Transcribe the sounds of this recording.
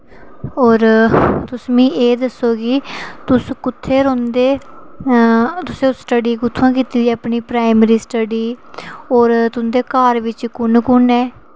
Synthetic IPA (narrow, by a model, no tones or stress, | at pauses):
ɔːɾt̪ʊsmĩːʔeːd̪əsːoːɡɪt̪ʊskʊt̪ʰːeːɾõːnd̪eː | t̪ʊsẽːsʈəɖiːɡʊt̪ʰːãːkiːt̪iːd̪iɛːəpɳiːpɾaːɪmɾiːsʈəɖiːɔːɾt̪ʊnd̪eːkaːɾʋɪt͡ʃkʊnkʊnɛː